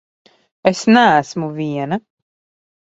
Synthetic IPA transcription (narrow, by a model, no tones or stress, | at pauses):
esnæːsmuvʲiɛna